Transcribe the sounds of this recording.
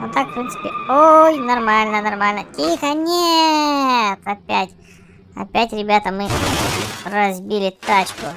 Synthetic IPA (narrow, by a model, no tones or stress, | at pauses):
ot̪ːakfpɾʲintsɨ̥pʲɪojnɐrmalʲnənɐrmalʲnətʲixənʲe | t̪ɐpʲætʲ | ɐ̰pʲætʲɾʲɪbʲat̪əmɨ | rɐzbʲilʲɪt̪at͡ɕkʊ